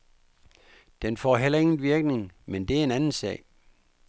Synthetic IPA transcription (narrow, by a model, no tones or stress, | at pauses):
d̥enfɒ̰ːɦel̰ɐe̝ŋn̩ʋiɐɡ̥ne̝ŋmend̥e̝æɐe̝nænn̩sɛ̰ːɪ